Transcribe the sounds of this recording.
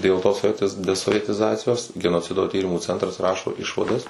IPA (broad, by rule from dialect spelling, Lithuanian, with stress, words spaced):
dʲeːlˠ toːs soːˈʋʲiɛtʲɪs dʲɛsoːʋʲiɛtʲɪˈzɑːt͡sʲɪjoːs ɡʲɛnoːˈt͡sʲɪdoː ˈtʲiːrʲɪmuː ˈt͡sʲɛntrɐs ˈrɑːʃoː ˈɪʃʋɐdɐs